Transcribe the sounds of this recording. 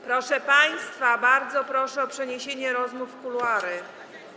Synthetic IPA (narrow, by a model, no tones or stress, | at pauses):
pɾɔʂɛpaj̃st̪fabaɾd̪zɔpɾɔʂɛɔpʂɛɲeɕeɲɛɾɔzmufkulwaɾɘ